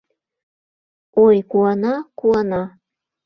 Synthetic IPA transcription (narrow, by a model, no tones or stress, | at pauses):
ojkuɑnɑkuɑnɑ